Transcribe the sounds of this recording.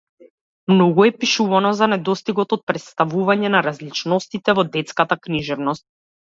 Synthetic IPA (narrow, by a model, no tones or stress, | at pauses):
mnɔɡuɛpiʃuvanɔzanɛd̪ɔst̪iɡɔt̪ɔt̪̚pɾɛt̪st̪avuvaɲɛnaɾazlit͡ʃnɔst̪it̪ɛvɔd̪ɛt̪skat̪akniʒɛvnɔst̪̚